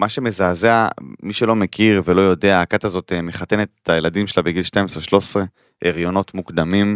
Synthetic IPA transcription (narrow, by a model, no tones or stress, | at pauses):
maʃe̞me̞zaːzeamiʃelo̞mekʰiʁvelo̞jo̞de̞aːkat̪azo̞t̪emeχat̪enet̪etajeladimʃelabeɡilʃtajmesʁeʃlo̞sʁe | ʔeʁjo̞no̞t̪muɡd̪amim